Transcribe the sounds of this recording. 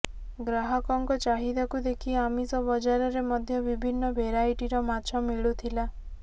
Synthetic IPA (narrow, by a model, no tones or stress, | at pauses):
ɡɾaɦɔkɔŋkɔt͡ʃaɦid̪akud̪ekʰiamisɔbɔd͡ʒaɾɔɾemɔd̪ʱjɔbibʱinːɔbʱeɾajʈiɾɔmat͡ʃʰɔmiɭut̪ʰila